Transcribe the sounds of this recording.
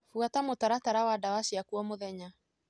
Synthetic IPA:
fuatamotaɾataɾawadawasiakuɔmoðɛɲa

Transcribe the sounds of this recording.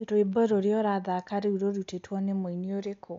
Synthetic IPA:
toebɔɾoɾeɔɾaðakaɾeuɾoɾutetwɔnemoinioɾekʰo

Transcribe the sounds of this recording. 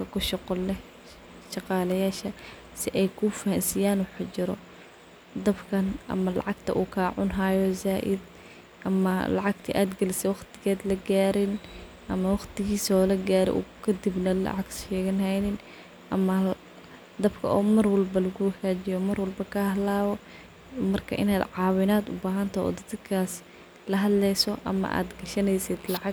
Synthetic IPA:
kʰɐkʰʊʃɑqɔlɛ | ʃɑqɑːlɐjaːʃɐ | sɪʔɛjkʰʊfɐhɐnsɪjaːnwɑħt͡ʃɪɾɔ̰ | d̪ɐbkʰɐnʔɐ̰mɐlɑ̰ʕɑɡt̪ʰɐ̰ʔuːkʰaːʕʊnɦajɔzaːʔɪ̰d̪ | ʔɐmɐlɑʕɑɡt̪ʰɐʔaːd̪ɡɐlɪsɛwɑqt̪ʰɪ̥ɣaːd̪lɐɡaːɾɪn | ʔɐmɐwɑqt̪ʰɪɣiːsɔːlɐɡaːɾɛ̰ʔṵːkʰɐd̪ɪbnɐlɐ̰ʕɑɡʃɛːɣɐnɦɛjnɪn | ʔɐmɐ | d̪ɐbkʰɐ̰ʔɔːmɐrwɑlbɐlɐɣʊwɡaːt͡ʃɪjɔmɐrwɐlbɐkʰɐhlaːwɔ | mɐrkʰɐ̰ʔɪ̰naːd̪ʕɑːwɪnaːd̪ʊ̰baːɦɐnt̪ʰɐɔ̰ːd̪ɐd̪kʰaːs | lɐɦɐd̪lɛjsɔʔɐ̰mɐ̰ʔa̰ːd̪ɡɐʃɐnɛjsɪd̪lɑʕɑɡ

